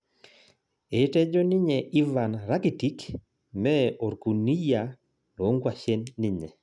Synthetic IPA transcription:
e˨tɛ˦d͡ʒɔ˦ni˦ɲɛ˨ʔi˦va˨nɾa˦ki˨ti˦k | mɛ˦o˨ɾku˨ni˦ja˨ | lo˨˦ŋɡwa˨ʃe˦nːi˦ɲɛ̰˨

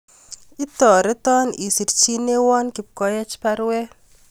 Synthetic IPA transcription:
i˦t̪ɔ˨ɾɪ˦t̪ɔ˦ni˨si˨ɾt͡ʃi˦ne˦wɔ˦nki˨p̚kɔ˦jɛ˦t͡ʃpa˦ɾwɛ˦

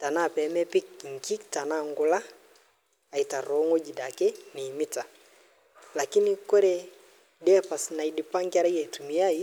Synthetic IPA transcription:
ta˨na˦˨pɛ˨˦mɛ˦pi˦k̚ŋki˦kta˨na˦ŋɡo˨la˦ | a˨i˨ta˨ɾo˨˦ŋo˦d͡ʒi˨da˨ke˦ni˨mi˦ta˨ | la˨ki˦niko˦ɾɛ˨ | dɛ˦a˦pa˨sna˨i˨di˨pa˦ŋka˦ɾa˦i˦a˨i˨tu˨mi˨a˦i˦

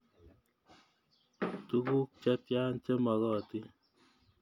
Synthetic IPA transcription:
t̪uɡu˦k̚t͡ʃa˦t̪jaː˦nt͡ʃe˦mɐ˨ɣɔː˦t̪i˦

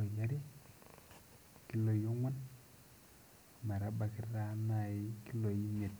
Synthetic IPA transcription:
o˨ja˦ɾi˦ | ki˦lo˨jo˦ŋʷɔ˦n˨ | ma˨ɾa˨˦ba˨ki˨ɾa˦na˨i˦ki˦lo˨ji˦me˨t̚

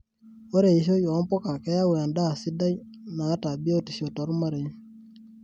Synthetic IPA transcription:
o˦ɾe˨i˨ʃ̬o˦jɔ˨˦pɔ˦ka˨kɛ˦ja˦wɛ˨a˨nda˦˨sɪ˦da˦j | naː˨˦ta˨bi˦o˦ti˨ʃo˨tɔ˨ɾma˦ɾe˨˦

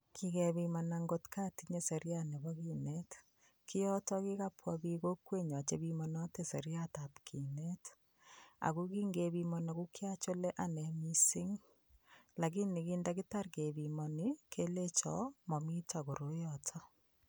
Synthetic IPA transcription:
kʰi˦kɛ˨bi˨manaŋɡo˦tka˦ti˨ɲe˨se˨ɾja˦ne˨bɔ˦kinet | kʰi˦jɔ˦tɔki˦ka˦pʰwɔ˨bi˦ko˦kwe˦ɲɔ˨t͡ʃe˦bi˦mɔ˦nɔ˦te˦se˨ɾjata˨pkʰi˨ne˦t | a̰˨ku˦ki˦ŋɡe˨bi˦mɔna˨ku˦kja˦t͡ʃo˦le˦ʔa˦nɛ˨mi˦si˦ŋ | la˨ki˦ni˨ki˦ndaki˦ta˦rke˨bi˨mɔ˨nikʰe˦le˦t͡ʃɔ̰mɔ˨mi˦ta˨ko˨ɾo˦jɔtʰɔ˦

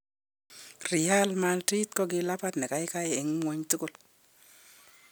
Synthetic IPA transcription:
ri˨ja˦lma˧lti˦tkɔ˦ɡɪ˧la˦pa˦t̪nɛ˨ka˨˦jka˦je˨ɪ˨ŋ˦ŋwo˦ɲtʊ˦kʊ˦˨l

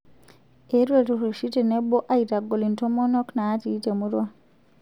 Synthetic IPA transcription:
e˦ɾwe˨tru˨ʃi˦te˨ne˦bo˦ʔa˦i˨ta˨ɡo˨li˨nto˦mo˦no˦knaː˦tiː˦te˨muɾwa˦

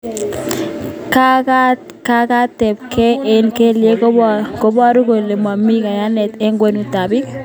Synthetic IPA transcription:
kaka˦t | ka˦ka˦tɛ˨p̚kɛ˦ɛ˨nke˦lje˦koko˦ba˦ɾu˦ko˨le˨ma˨mːi˦ka˨ja˦nɛ˨tɛ˦ŋɡwe˨nu˨ta˨bi˦k̚

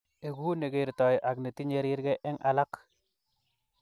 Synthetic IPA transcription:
e˨ɡu˦ne˨ɡe˨ɾtɔ˨jʔa˨kne˨ti˦ɲe˦ɾi˦ɾɡɛ˦ʔɛ˦ŋʔa˨la˦k

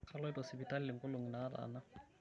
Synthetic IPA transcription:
kʰa˦lɔ˦ɪ˦tɔsɪ˨bi˨ta˦lɪ˦lɪ˨ŋ̩kʊ˦lo˨ŋi˨na˨˦ɾa̰˨na˦

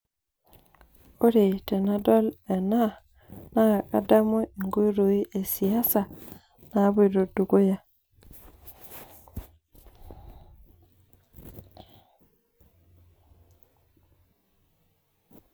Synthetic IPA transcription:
o˦ɾe˨te˨na˦dɔ˦le˨na˦˨ | na˦˨ka̰˨˦da˦mo˦i˨ŋɡo˦ɾo˨i˦ʔe˨si˨a˦sa˨ | na˨˦bo˦˨do˨du˨ɡo˦ja˦

